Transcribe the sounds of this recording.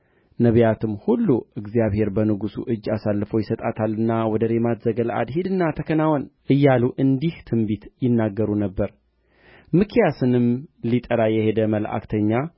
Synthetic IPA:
nəβjat̪ʰɨmhulːuʔɨɡzijaβhe̞ɾbənɨɡusṵʔɨd͡ʒːasalːɨfəwjɪsət̪ʼat̪ʰalːɨnːawɔd̪əɾemat̪zəɡəlʔa̰d̪hid̪ɨnːat̪ʰəkʰənawɔnʔɨjːaluʔɨnd̪iht̪ʰɨmbit̪jɪnːaɡːəɾunəbːəɾ | mɨkʰjasɨnɨmlit̪ʼəɾajɛhe̞d̪əməlʔa̰kt̪ʰəɲːa

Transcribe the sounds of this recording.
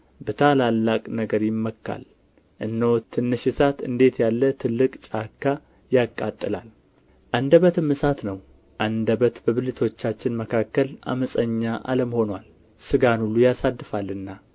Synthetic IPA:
bət̪ʰalalːakʼnəɡəɾjɪmːəkːa̰l | ʔɨnːowt̪ʰɨnːɨʃɪsat̪ɨ̰nd̪e̞t̪jalːət̪ʰɨlːɨkʼt͡ʃʼakːa | jakʼːat̪ʼːɨla̰l | ʔand̪əβət̪ʰɨmːɨsat̪nəw | ʔand̪əβət̪bəβɨlɨt̪ʰo̞t͡ʃːat͡ʃːɪnməkʰakːəlʔa̰məsʼəɲːaʔa̰ləmho̞nwal | sɨɡanulːujasad̪ːɨfalɨnːa

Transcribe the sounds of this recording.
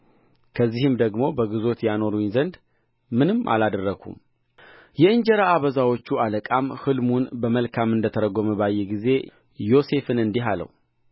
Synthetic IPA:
kʰəzːihɨmd̪əɡmo̞bəɡɨzo̞t̪jano̞ɾuɲzənd̪ | mɨnɨmːʔa̰lad̪ərːəɡʰṵm | jɛɨɲd͡ʒɛɾaːβəzawo̞t͡ʃːualəkʼamhɨlmunbəməlkʰamɨnd̪ət̪ʰəɾəɡoməbajːɛɡize̞ | jo̞se̞fɨnɨnd̪iɦalə̰w

